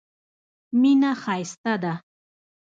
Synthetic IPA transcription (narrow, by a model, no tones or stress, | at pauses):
mɪnahajst̪ad̪a